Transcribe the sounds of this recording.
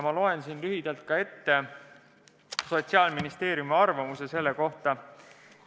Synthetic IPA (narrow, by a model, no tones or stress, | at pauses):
mɑlo̞e̞nsinlyɦid̪̥ɑlt̪̚kɑe̞t̪ːe̞ | so̞t̪siɑːlminist̪e̞ːɾjumiɑrvɑmuse̞se̞lːeko̞ht̪ɑ